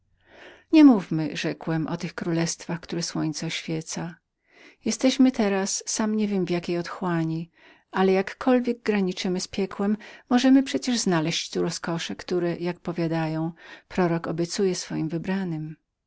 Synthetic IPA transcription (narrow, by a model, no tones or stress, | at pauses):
ɲɛmuvmɘʐɛkwɛmʔɔ̰t̪ɘxkɾulɛst̪faxkt̪uɾɛswɔɲt̪sɛɔɕfʲjɛt̪sa | jɛst̪ɛɕmɘt̪ɛɾasːamɲevʲjɛmvjakʲejɔt̪xwaɲi | ʔalɛjakːɔlvʲjɛɡ̚ɡɾaɲit͡ʂɘmɘspʲjɛkwɛmːɔʐɛmɘpʂɛt͡ɕɛʐznalɛɕt͡ɕt̪uɾɔskɔʂɛkt̪uɾɛjak̚pɔvʲjad̪ajɔ̃w̃pɾɔɾɔkɔbʲjɛt̪sujɛsfɔjimvɘbɾanɘm